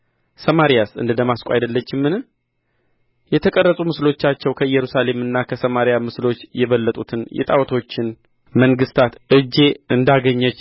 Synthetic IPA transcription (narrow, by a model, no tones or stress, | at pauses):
səmaɾijasɨ̰nd̪ɨd̪əmaskʼa̰jd̪əlːət͡ʃːɪmːɨnɨ | jɛt̪ʰəkʼərːəsʼumɨslo̞t͡ʃːat͡ʃːɛwkʰəɨjːɛɾusale̞mɨnːakʰəsəmaɾijamɨslo̞t͡ʃːjɛβəlːət̪ʼut̪ʰɨnjɛ̰t̪ʼawt̪ʰo̞t͡ʃːɪn | məŋɡɨst̪ʰat̪ʔɨd͡ʒːe̞ʔɨnd̪aɡəɲːət͡ʃː